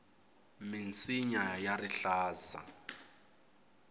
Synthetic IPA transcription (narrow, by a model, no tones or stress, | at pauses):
mint͡sʰʼiɲajariɬaːza̰